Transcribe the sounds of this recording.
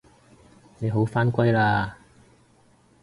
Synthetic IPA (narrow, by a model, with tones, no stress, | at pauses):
ne˨˧jɦo˨˥wfaː˥nkʷɐ˥jlaː˧